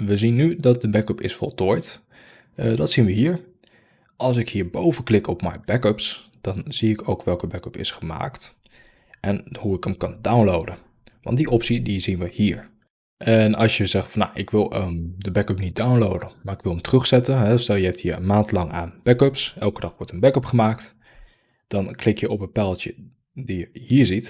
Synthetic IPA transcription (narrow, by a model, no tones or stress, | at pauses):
ʋəzinːydɑt̚dəbɛkəpɪ̰sfɔ̰lˠtoːjt | ədɑtsinʋəɦiːɹ | ʔɑlˠs̬ɪkhiːɹbowvənklɪkʰɔpmɛ̰jbɛkəps | d̥ɑnz̥iɪkowkʋɛlˠkəbɛkəpɪ̰sχəma̰ːkt | ʔɛnhuɪkəmkɑndawnlowdən | ʋɑ̰ntdiʔɔpsidizinʋəhiːɹ | ʔɛnɑlˠsjəzɛχtfɑna̰ʔɪkʋɪlˠədəbɛkəpnit̚dawnlowdəmaːɹɪkʋɪlˠəmtərɵχsɛtənɦɛstɛlˠjəɛpthiːɹə̰nmaːntlɑŋaːnb̥ɛkøpsɛlˠkədɑχʋɔɹtənbɛkəpχəmaːkt | d̥ɑnklɪkjəʔɔpənpɛlˠtjə | dijəhiːɹzit